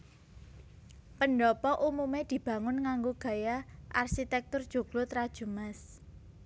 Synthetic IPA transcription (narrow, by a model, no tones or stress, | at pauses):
pənɖɔpɔʔumumed̪̥i̤b̥ä̤ŋʊnŋaŋɡoɡ̥ä̤jaʔa̰rʃit̪ɛk̚t̪ʊrd̥ʒ̥ṳɡ̥lot̪ɾad̥ʒ̥umas